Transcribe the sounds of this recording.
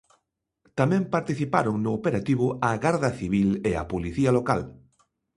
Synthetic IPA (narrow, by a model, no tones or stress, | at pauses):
t̪amɛ̃mpaɾt̪iθipa̰ɾʊŋnʊːpeɾat̪iβ̞ʊaɣaɾðɐθiβ̞ilea̰poliθiɐloka̰l